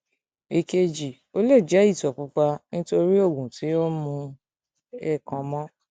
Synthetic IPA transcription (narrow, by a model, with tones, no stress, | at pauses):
e˨ke˧d͡ʒi˨ | o˦le˦˨d͡ʒɛ˨˦i˦˨tɔ˨k͡pu˨˦k͡pa˧nĩ˦to˧ɾi˦o˦˨ɡũ˨ti˨˦o˦mũ˧ | ɛ˦˨kã˨mɔ̃˦